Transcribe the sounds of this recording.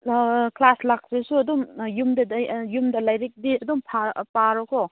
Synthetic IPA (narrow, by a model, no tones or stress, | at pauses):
klaslak̚sesuɐdumjumdɐdjumdɐlajɾik̚diɐdumpʰapaɾɔkʰɔ